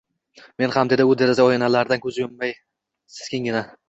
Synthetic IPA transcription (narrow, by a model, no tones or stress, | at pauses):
me̞nhamd̪e̞d̪aʊd̪e̞ɾɪzaɒjenalaɾd̪ankʲʰɵzɪjʊmːaj | sɪ̥z̥kʲɪŋʲɪna